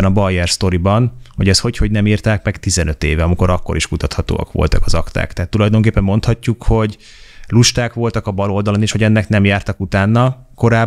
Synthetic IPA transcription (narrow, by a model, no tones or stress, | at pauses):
nɒbɒjːɛrst̪o̞ɾibɒnho̞ɟɛsho̞cho̞ɟnɛmiːrt̪aːkmɛɡt̪izɛnø̞t̪eːvɛɒmiko̞ɾɒkːo̞̰ɾiʃkut̪ɒt̪hɒt̪o̰ːɒ̰kʋo̞̰lt̪ɒkɒzɒkt̪a̰ːkt̪ɛɦat̪ːulɒjd̪o̞ŋk̬eːpːɛmːo̞nt̪hɒcːukho̞ɟ | luʃt̪aːkʋo̞lt̪ɒkɒbɒlo̞ld̪ɒloneːʃhoɟɛnːɛknɛmjaːrt̪ɒkut̪aːnːɒ | ko̞ɾaː